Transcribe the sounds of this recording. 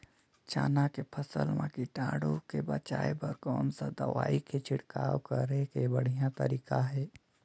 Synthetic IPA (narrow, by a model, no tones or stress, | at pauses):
t͡ʃaːnakepʰəsə̰lmãkiʈaːɽõkebət͡ʃaːepəɾkɔːnsad̪əʋaːiket͡ʃʰɪɽkaːwkəɾekebəɽ̤ijãt̪ə̰ɾiːkaɦɛː